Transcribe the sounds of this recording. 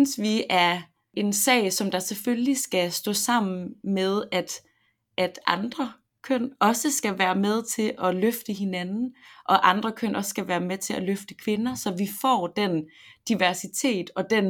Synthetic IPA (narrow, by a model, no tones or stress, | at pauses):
nsʋiæɐ | e̝nsɛ̰ɪsɒ̽md̥ɑ̈seføllisɡ̥æsd̥ɔ̰̽ːsɑ̈m̰n̩með̞ˠæd̥ | ʔæd̥ɑ̈nd̥ʁɐ | kʰøn̰ɒ̽səsɡ̥æʋæːɐmeð̞ˠt͡sʰe̝lʔɒ̽løfd̥əɦe̝nænn̩ʔɒ̽ʔɑ̈nd̥ʁɐkʰøn̰ɒ̽ssɡ̥æʋæːɐmet͡sʰe̝læløfd̥əkʰʋe̝nɐsɒ̽ʋifɒ̰ːd̥end̥iʋæɐsit͡sʰe̝̰ːd̥ɒ̽d̥en